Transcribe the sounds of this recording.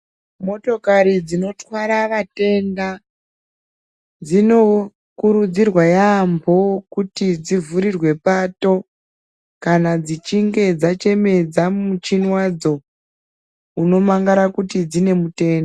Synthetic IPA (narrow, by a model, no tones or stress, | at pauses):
mo̞to̞kaɾid͡zino̞twaɾaʋate̞nda | d͡zino̞ | kuɾud͡zirwajambo̞kutid͡zivuɾirwe̞paːto̞ | kanad͡zit͡ʃiŋɡe̞d͡zat͡ʃe̞me̞d͡zamut͡ʃinwad͡zo̞ | uno̞maŋɡaɾakutid͡zine̞mute̞ːnda